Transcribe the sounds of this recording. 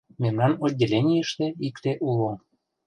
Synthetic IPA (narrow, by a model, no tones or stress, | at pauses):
memnɑnodʲːelʲenʲijəʃt̪eikt̪eʔulo